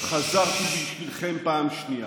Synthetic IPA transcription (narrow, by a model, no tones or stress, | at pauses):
χazaʁt̪ibiʃvilχempaːmʃnija